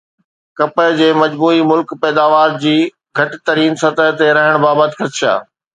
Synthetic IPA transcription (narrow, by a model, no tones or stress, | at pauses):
kɐpəɦd͡ʑeːmɐd͡ʑbuːimʊlkpɛːd̪aːʋaːɾd͡ʑiː | ɡʱɐʈt̪ɐɾiːnsɐt̪əɦt̪eɾɐɦəɽ̃baːbət̪ɪxɐt̪ʃa̰ː